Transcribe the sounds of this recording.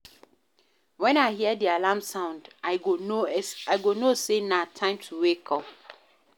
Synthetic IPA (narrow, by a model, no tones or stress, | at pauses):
wɛ̃naɪhiədialamsãʊ̃ndaɪooaɪɡonosenatʰãɪ̃mtʰuwekʰɔ